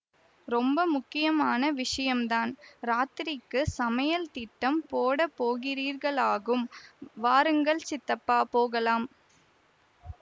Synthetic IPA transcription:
ɾɔmbɐmʊkːɪjɐmaːnɐʋɪʂɐjɐmd̪aːnɾaːt̪ɪɾɪkːɯsɐmɐjɐlt̪ɪʈːɐmpoːɽɐpːoːɣɪɾiːɾɣɐɭaːɣɯmʋaːɾɯŋɡɐɭt͡ʃɪt̪ːɐpːaːpoːɣɐlaːm

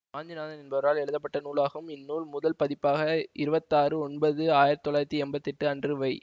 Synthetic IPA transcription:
aːnd͡ʒɪnaːðɐnɪnbɐʋɐɾaːlɛɽɯðɐpːɐʈːɐnuːlaːɣɐɯmɪnːuːlmʊðɐlpɐðɪpːaːɣɐɪɾɯbɐt̪ːaːɾɯɔnbɐðɯaːjɪɾɐt̪ːɔlaːɾɐt̪ːiɛmbɐt̪ːɪʈːɯɐndrɯʋɐɪ

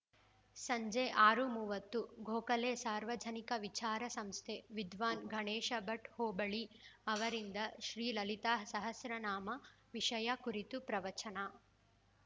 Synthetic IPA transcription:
sɐɲd͡ʒeʔaːɾumuːʋɐt̪ːuɡʱoːkɐleːsaːɾʋɐd͡ʒ̪ʱɐnikɐʋit͡ʃaːɾɐsɐmst̪ʰeʋid̪ʋaːnɡʱɐɳeːʃɐbɐʈhoːbɐɭiɐʋɐɾind̪ɐʃɾiːlɐlit̪aːsɐɦɐsɾɐnaːmɐ | ʋiʂɐjakuɾit̪upɾɐʋɐt͡ʃɐnɐ

